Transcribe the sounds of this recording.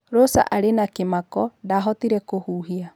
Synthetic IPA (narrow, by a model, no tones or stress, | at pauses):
ɾɔsa̰ʔaɾenakemakɔdaɦɔtiɾɛkohuːɦia